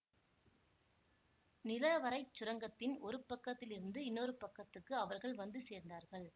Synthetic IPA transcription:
nɪlɐʋɐɾɐɪt͡ʃːʊɾɐŋɡɐt̪ːɪnɔɾɯpɐkːɐt̪ːɪlɪɾɯnd̪ɯɪnːɔɾɯpɐkːɐt̪ːɯkːɯɐʋɐɾɣɐɭʋɐnd̪ɯseːɾnd̪aːɾɣɐɭ

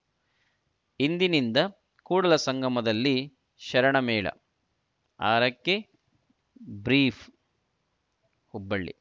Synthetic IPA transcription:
ind̪inind̪ɐ | kuːɽɐlɐsɐŋɡʱɐmɐd̪ɐlːi | ʃɐɾɐɳɐmɛːɭɐ̰ | a̰ːɾɐkːe | bɾiːpʰ | hubːɐɭːḭ

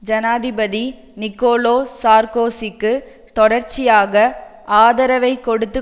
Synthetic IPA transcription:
d͡ʒɐnaːðɪbɐði | nɪkːoːloːsaːɾkoːsɪkːɯ | t̪ɔɽɐɾt͡ʃɪjaːɣɐ | aːðɐɾɐʋɐɪkɔɽɯt̪ːɯ

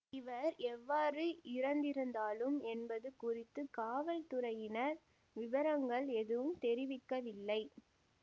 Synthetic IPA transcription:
ɪʋɐɾɛʋːaːrɯɪɾɐnd̪ɪɾɯnd̪aːlɯmɛnbɐðɯkʊrɪt̪ːɯkaːʋɐɭt̪ʊɾɐjɪnɐɾ | ʋɪʋɐɾɐŋɡɐɭɛðɯʋɯmt̪ɛɾɪʋɪkːɐʋɪlːɐɪ

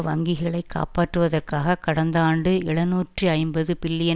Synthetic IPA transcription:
ʋɐŋɡɪɣɐɭɐɪkːa̰ːpaːʈrɯʋɐðɐrkaːɣɐkɐɽɐnd̪aːɳɖɯɛɭɐnuːʈriɐɪmbɐðɯpɪlːɪjɐ

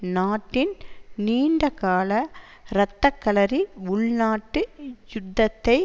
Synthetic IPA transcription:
naːʈːɪnniːɳɖɐkaːlɐɾɐt̪ːɐkːɐlɐɾiʊɭnaːʈːɯjʊd̪ːɐt̪ːɐɪ

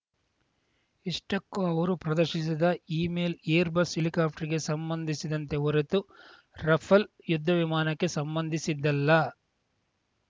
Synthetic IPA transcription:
iʂʈɐkːuɐʋɐɾupɾɐd̪ɐɾʃis̬id̪ɐiːmeːleːɾbɐsilikaːpʰʈɐɾiɡe̞sɐmbɐnd̪ʱisid̪ɐnt̪e̞ɔɾet̪u | ɾɐpʰɐl | jud̪ʱːɐʋimaːnɐkːe̞sɐmbɐnd̪ʱisid̪ːɐlːɐ

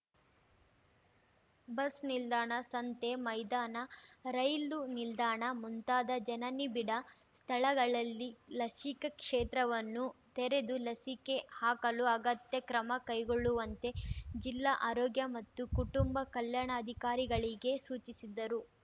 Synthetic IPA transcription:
bɐsnild̪aːɳɐsɐnt̪e̞mɐjd̪aːnɐɾɐjlunild̪aːɳɐmunt̪aːd̪ɐd͡ʒɐnɐnibiɽɐ | st̪ʰɐɭɐɡɐɭɐlːilɐsikɐkʂeːt̪ɾɐʋɐnːut̪ɛɾe̞d̪ulɐsike̞haːkɐluɐɡɐt̪jɐkɾɐmɐkɐjɡoɭːuʋɐnt̪e̞d͡ʒilːaːʔaːɾoːɡjɐmɐt̪ːukuʈumbɐkɐljaːɳɐːd̪ʱikaːɾiɡɐɭiɡe̞suːt͡ʃisid̪ːɐɾu

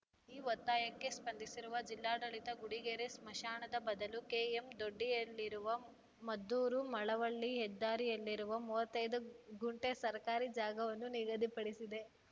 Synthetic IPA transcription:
iːʋɐt̪ːaːjɐkːe̞spɐnd̪ʱisiɾuʋɐd͡ʒilːaːɽɐɭit̪ɐɡuɽiɡeɾesmɐʃaːɳɐd̪ɐbɐd̪ɐlukeːemd̪oɖːijɐlːiɾuʋɐ | mɐd̪ːuːɾumɐɭɐʋɐɭːiɦɛd̪ːaːɾijɐlːiɾuʋɐmuːʋɐt̪ːɐjd̪uɡuɳʈesɐɾkaːɾid͡ʒaːɡɐʋɐnːuniɡɐd̪ipɐɽisid̪e̞

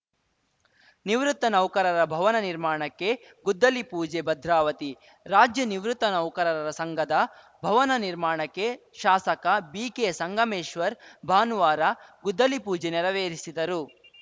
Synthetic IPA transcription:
niʋɾut̪ːɐnɐwkɐɾɐɾɐbʱɐʋɐnɐniɾmaːɳɐkːe̞ | ɡud̪ːɐlipuːd͡ʒebɐd̪ʱɾaːʋɐt̪i | ɾaːd͡ʒjɐniʋɾut̪ːɐnɐwkɐɾɐɾɐɾɐsɐŋɡɐd̪ɐ | bʱɐʋɐnɐniɾmaːɳɐkːe̞ | ʃaːsɐkɐbiːkeːsɐŋɡʱɐmeːʃʋɐɾbʱaːnuʋaːɾɐɡud̪ːɐlipuːd͡ʒenɛɾɐʋeːɾisid̪ɐɾu

